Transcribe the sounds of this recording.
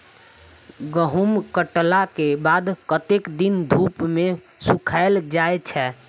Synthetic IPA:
ɡəɦumkəʈlakebad̪kət̪ekd̪ind̪ʱupme | sukʰaɪld͡ʒaet͡ʃʰɛ

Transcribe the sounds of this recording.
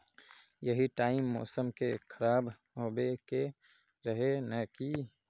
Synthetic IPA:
jɐɦiʈaːɪmːɔːsəmkekʰəɾaːb | ɦoːbeke | ɾɐɦenəkiː

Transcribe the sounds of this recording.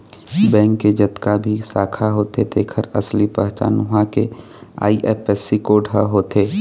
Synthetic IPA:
bɛ̃ːŋkːed͡ʒɐt̪kabʱisaːkʰaɦoːt̪ed̪eːkʰəɾɐslipəɦt͡ʃa̰ːnʊɦãke | a̰ːiʔeːpɛsikoːɖʱəɦoːt̪eː

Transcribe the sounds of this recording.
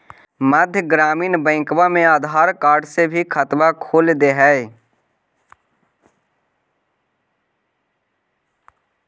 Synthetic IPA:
məd̪ʱjəɡɾaːmiːnbɛ̃ːkʋamẽaːd̪ʱaːɾkaːɾɖsebʱikʰət̪ʋakʰoːld̪eɦɛː

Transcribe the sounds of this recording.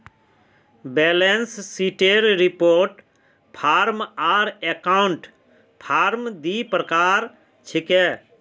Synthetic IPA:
beːlenssiʈeɾɾipoːɾʈ | pʰaːɾmaːɾekaʊɳʈ | pʰaːɾmd̪ipɾəkaːɾ | t͡ʃʰike

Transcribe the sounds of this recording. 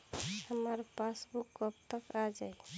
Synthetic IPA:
həməɾpasbukːəp̚t̪əkad͡ʒaj

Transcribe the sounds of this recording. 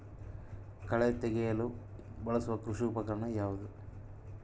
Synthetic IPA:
kɐɭet̪ɛɡɛjɐlubɐɭɐsuʋɐkɾuʂiːpɐkɐɾɐɳɐjaːʋud̪u

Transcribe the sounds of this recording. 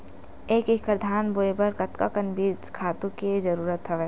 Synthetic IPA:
eːkikəɾd̪ʱaːnboːebəɾkɐt̪kakɐnbiːd͡ʒkʰaːt̪ũked͡ʒɐɾuːɾət̪ɦɐʋeː

